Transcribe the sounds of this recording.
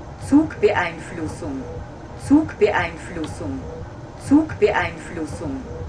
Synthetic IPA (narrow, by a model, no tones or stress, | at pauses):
t͡suːkb̥əʔaɪnflʊsʊŋ | t͡suːkb̥əʔaɪnflʊsʊŋ | t͡suːkb̥əʔaɪnflʊsʊŋ